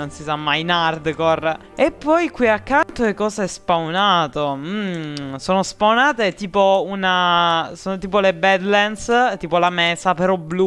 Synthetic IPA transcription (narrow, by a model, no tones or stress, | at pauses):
nonsisamːajnard̪kɔr | epːɔjkwiakːant̪oekːɔːzaɛspawnaːt̪om̩soːnospawnaːt̪et̪iːpounasoːnot̪iːpolebɛd̪lɛnst̪iːpolamɛsapeɾɔblu